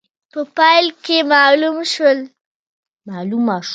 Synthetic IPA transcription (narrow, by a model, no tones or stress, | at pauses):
pəpɑjlkemɑlumʃwəl | malumːaʃ